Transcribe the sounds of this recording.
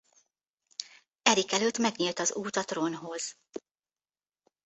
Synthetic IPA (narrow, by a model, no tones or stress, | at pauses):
ɛɾikɛløt̪mɛɡɲilt̪ɒzuːt̪ɒt̪ronɦo̞z̥